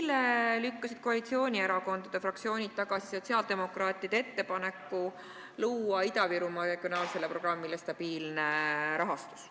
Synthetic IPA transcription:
lːelykːɑsid̪̥koɑlit̪sio̞ːnʲieɾɑko̞nd̪̥ɑd̪̥e̞frɑk̚t̪sio̞ːnʲid̪̚t̪ːɑɡ̥ɑsi̥so̞t̪siɑld̪̥e̞mo̞krɑːt̪ʲˑiɑd̪̥ee̞t̪ːe̞pɑne̞kːˑu | luːɑid̪ɑviɾumɑɾe̞ɡ̥io̞nɑːlse̞lːepro̞ɡ̥rɑmːilest̪ɑb̥iːlneɾɑɦɑst̪u̥s

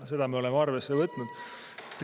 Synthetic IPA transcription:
se̞d̪ɑmeole̞meɑrve̞sːe̞vɤt̪ːˑnud̪̥ | et̪ːˑ

